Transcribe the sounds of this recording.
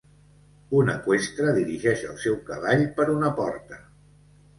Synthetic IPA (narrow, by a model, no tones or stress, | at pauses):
unəkwest̪ɾəðiɾiʒɛʃəlˠsɛwkəβaʎpəɾunəpɔ̰ɾt̪ə